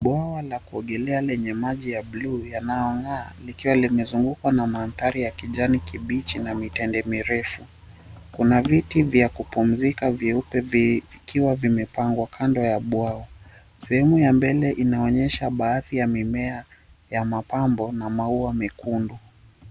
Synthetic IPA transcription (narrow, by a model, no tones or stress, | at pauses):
ɓwawalakuɔɠɛlɛalɛɲɛmaʄijablujanajɔŋɡaːlikiwalimɛzuŋɡukwanamaːnθaɾijakiʄanikiɓit͡ʃinamitɛndɛmiɾɛfu | kunavitivjakupum̩zikaviupɛvkiwavimɛpaŋɡwakʰandɔjaɓwaɔ | sɛhɛmujambɛlɛʔinaɔɲɛʃaɓaːθijamimɛa | jamapambɔnamauamɛkundu